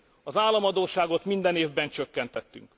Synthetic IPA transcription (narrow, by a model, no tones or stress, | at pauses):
ɒzaːlːɒmɒd̪oːʃaːɡo̞t̪mind̪ɛneːvbɛnt͡ʃøkːɛnt̪ɛt̪ːy̰ŋk